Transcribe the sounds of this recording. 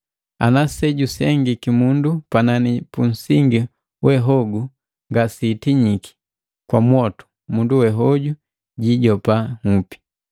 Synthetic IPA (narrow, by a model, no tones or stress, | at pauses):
a̰nasɛɟusɛŋɡikimundupananipun̩siŋɡi | wɛɦɔɡu | ŋɡasitiɲiki̥ | kwamwɔtu̥ | munduwɛɦɔɟu | ɟiɟɔpaŋupi̥